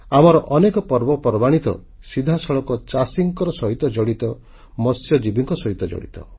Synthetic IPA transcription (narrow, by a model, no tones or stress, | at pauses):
amɔɾɔʔɔnekɔpɔɾbɔpɔɾbaɽ̃it̪ɔ̰ | sid̪ʱasɔɭɔkɔt͡ʃasiŋkɔɾɔsɔɦit̪ɔd͡ʒɔɽit̪ɔ | mɔsjɔd͡ʒibiŋkɔsɔɦit̪ɔd͡ʒɔ̰ɽḭt̪ɔ̰